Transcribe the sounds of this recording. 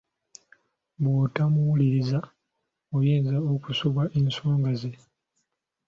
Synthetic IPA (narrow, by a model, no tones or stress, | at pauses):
bwoːtamuwuliɾiza | ojeːnzaokusuβaʔensoːŋɡaze